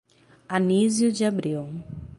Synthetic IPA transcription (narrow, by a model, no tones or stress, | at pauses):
anizjʊd͡ʒɪabɾiw